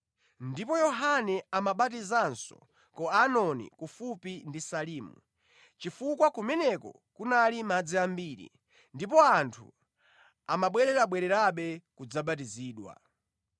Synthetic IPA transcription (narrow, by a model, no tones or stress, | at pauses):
ndipɔjɔɦanɛamaɓatizansɔ̰ | kɔanɔnḭkufupindisaliːmṵ | t͡ʃifukwakumɛnɛkɔ̰ | kunalimad͡ziambiːɾḭ | ndip̬ɔantʰṵ | amaɓwɛɾɛɾaɓwɛɾɛɾaɓɛkud͡zaɓat̬iziːɗwa̰